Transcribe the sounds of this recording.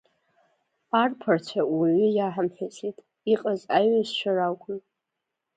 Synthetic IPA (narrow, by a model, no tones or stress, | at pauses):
arpʰart͡ʃʷʰawiɥʏjaħamħᶣat͡sʰʼitʼ | iqʼazaɥazʃʷʰarakʷʼʊn